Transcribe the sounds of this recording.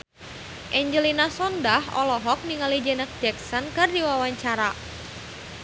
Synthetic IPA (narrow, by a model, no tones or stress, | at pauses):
ʔɛɲd͡ʒəlinasɔndahʔɔ̰lɔɦɔk̚niŋalid͡ʒɛnək̚d͡ʒɛk̚sɔnkɨrdiwawaɲt͡ʃaɾa